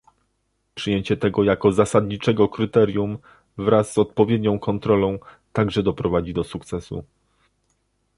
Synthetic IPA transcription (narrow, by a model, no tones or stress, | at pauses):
pʂɘjeɲt͡ɕɛt̪ɛɡɔjakɔzasad̪ɲit͡ʂɛɡɔkɾɘt̪ɛɾjum | vɾasːɔt̪̚pɔvʲjed̪ɲɔ̃w̃kɔnt̪ɾɔlɔ̃w̃ | t̪aɡʐɛd̪ɔpɾɔvad͡ʑid̪ɔsukt̪sɛsṵ